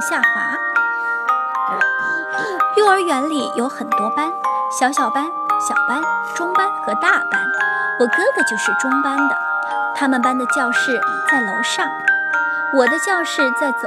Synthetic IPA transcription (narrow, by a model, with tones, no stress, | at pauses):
ɕja˥˩xa̰˧˥ | jy˥˩ə˞˧˥ɥɛ˧˥nli˨˩jo˧˥ʊxə˨˩nt̪wɔ˥pa˥nɕjɑ˧˥ʊɕjɑ˨˩ʊpa˥n | ɕjɑ˨˩ʊpa˥nʈ͡ʂʊ˥ŋpa˥nxɤ˧˥t̪a˥˩pa˥n | wɔ˨˩kɤ˥d̪ə˨t͡ɕjo˥˧ʊʂɻ̩˥˩ʈ͡ʂʊ˥ŋpa˥nd̪ə˨ | t̪ʰa˥mə˨npa˥nd̪ə˨t͡ɕjɑ˥˧ʊʂɻ̩˥˧t͡sa˥˩ɪlʊ˧˥ŋʂɑ˥˩ŋ˩ | wɔ˨˩d̪ə˦t͡ɕjɑ˥˧ʊʂɻ̩˥˧t͡sa˥˩ɪt͡s